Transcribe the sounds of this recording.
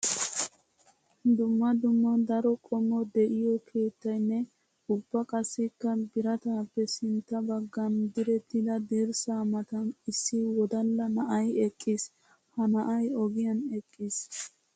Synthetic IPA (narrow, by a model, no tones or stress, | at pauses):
d̪ʊmːɐd̪ʊmːɐd̪ɐɾɔkʼɔmːɔd̪ɛʔɪjɔkʰe̞ːt̪ːɐjnːɛ | ʊbːɐkʼɐsːɪkːɐbɪɾɐt̪aːpːɛsɪnt̪ːɐbɐɡːɐnd̪ɪɾɛt̪ːɪd̪ɐd̪eɾsaːmɐt̪ɐnɪsːɪwɔd̪ɐlːɐnɐʔɐjɛkʼːɪs | hɐnɐʔɐjɔɡɪjɐnɛkʼːɪs